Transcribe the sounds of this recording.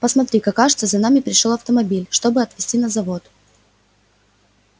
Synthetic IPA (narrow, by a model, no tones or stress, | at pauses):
pəsmɐt̪ɾʲikakːaʐɨt̪səzɐnamʲɪpɾʲɪʂolˠɐft̪əmɐbʲilʲʂt̪o̞bɨɐt̪vʲɪsʲtʲinəzɐvo̞t̪